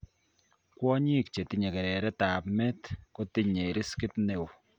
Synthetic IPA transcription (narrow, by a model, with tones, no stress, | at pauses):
kwɔ˦ɲi˦kt͡ʃe˨ti˦ɲe˨kɛ˨ɾɛ˨ɾɛ˦taː˨pmɛ˦tko˦ti˦ɲe˨i˨ɾi˦skɪ˦tne˨wu˨